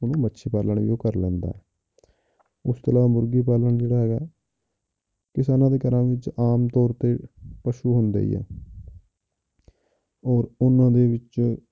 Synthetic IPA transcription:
ʊnũːbətːʃʰeːpaːləɳʋḭːoːkəɾlɛ̃ːnd̪a̰ː | ʊst̪əlaːaːmʊɾɡiːp̬aːləɳd͡ʒeːɽaːɦɛːɡaː | kɪsaːnãːd̪eːkəɾãːʋɪt͡ʃaːmt̪ɔːɾt̪eːpəʃuːɦʊnd̪ḛːḭːɛ̰ː | ɔːɾʊnãːd̪eːʋɪt͡ʃ

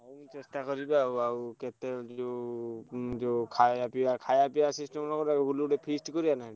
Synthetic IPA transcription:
nisɛstakɔɾibawaukɛt̪ɛzɔ | zɔkʰajapiakʰajapiasistɔmnɔkɔɾaɡuluɾɛpʰistkɔɾijanaj

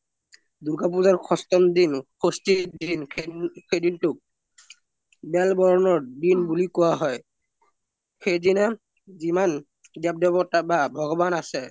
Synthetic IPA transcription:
d̪uɡap̬uzaɹkʰɔstɔmdinkʰostidinkʰedintʊk̚ | bɛlbɔɹɔnɔɹdinbulikɔwaɦɔj | xejdinɛ | ziman | dap̚dɔbɔtababʱɔɡɔbanasɛ

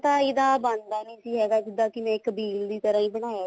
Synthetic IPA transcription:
t̪ãːɪd̪aːbənd̪aːnẽiːsiːɦɛːɡaːd͡ʒɪd̪ãːkɪmɛ̃ːkəbiːld̪iːt̪əɾãːĩːbəɽ̃aːa

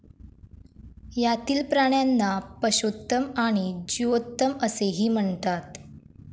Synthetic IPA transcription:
jat̪iːlpɾaɳ̃janːapəɕot̪ːəmaɽ̃id͡ʑiʋot̪ːəməseɦiːm̤əɳt̪at̪

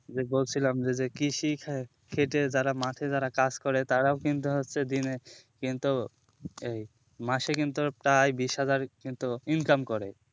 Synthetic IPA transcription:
d͡ʑebolt͡ɕʰilamd͡ʑed͡ʑekiʃi | kʰeʈed͡ʑaɾamat̪ʰed͡ʑaɾakad͡ʑkɔɾet̪aɾaokint̪uɦotːɕʰed̪inekint̪u | ej | maʃekint̪upɾajbiʃɦad͡ʑaɾkint̪uinkamkɔɾe

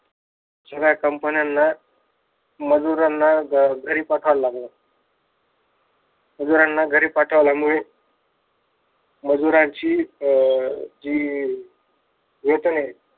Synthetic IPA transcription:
səɡjakəmpənjanːa | məd͡zuɾanːaɡʱəɾiːpaʈʰəʋlamle | məd͡zuɾanːaɡʱəɾiːpaʈʰəʋljamuɭe | məd͡zuɾãɲt͡ɕiː | d͡ʑiː | ʋet̪ne

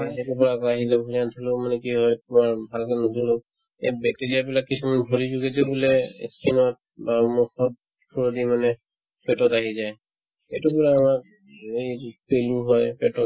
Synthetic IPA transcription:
etupɔɹakaɦilɛbʱoɹiant̪ʰɔlʊmanɛkiɦɔjtumaɹbʱalkɛnɔtulɔ | ebɛk̚teɹijapilakːisʰumanbʱoɹizuɡetibulɛ̰skinɔt̚ | bamɔxɔb̚ | tʰuɹod̪imanɛ | pɛtɔtaɦizaj | etupɔɹaːmak | ejpeluɦɔjpɛtɔt

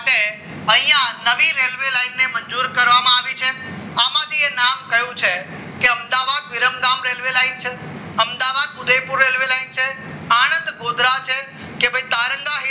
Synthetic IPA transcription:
ʈe | ɐ̃ɦĩːãnɐʋiɾeːlʋelaːɪnːemɐ̃ɲd͡ʒuːɾkɐɾʋamãaːʋit͡ʃʰe | aːmaːd̪ienaːmkɐɦjũt͡ʃʰe | keɐ̃md̪aːʋaːd̪ʋɪɾəmɡaːmɾeːlʋelaːint͡ʃʰe | ɐmd̪aʋaːd̪ʊd̪epʊɾːeːlʋelaːint͡ʃʰe | aːɽ̃ə̃nd̪ɡoːd̪ɾat͡ʃʰe | kebəĩt̪aːɾə̃ŋɡaɦi

